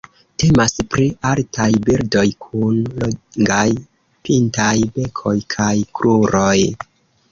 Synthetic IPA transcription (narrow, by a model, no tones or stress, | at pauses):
te̞maspɾialtʰajbiɾdo̞jkʰunloŋɡaj | pintajbe̞kʰo̞jkʰajkɾʔuɾo̞j